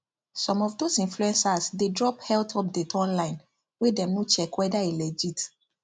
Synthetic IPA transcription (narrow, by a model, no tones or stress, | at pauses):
sɔ̃mɔfdosĩnfluɛ̃nsasdedɹɔphɛltʰɔp̚dɛtɔ̃nlãɪ̃n | wedɛ̃mnot͡ʃɛkwɛdaelɛd͡ʒit